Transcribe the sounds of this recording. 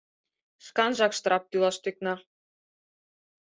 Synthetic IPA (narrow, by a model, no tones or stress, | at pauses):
ʃkɑnʒɑkʃt̪ɤɾɑp̚t̪ylˠɑʃt̪yk̚nɑ